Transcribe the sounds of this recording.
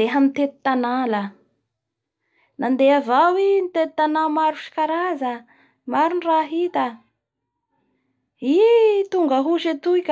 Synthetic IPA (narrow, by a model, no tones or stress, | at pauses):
eɦamit̪et̪i̥t̪anala | nand̪eavawinit̪et̪t̪anamaɾuʃi̥kaɾazə | maɾuniraɦit̪ə | it̪uŋɡəɦuʃet̪uikʲ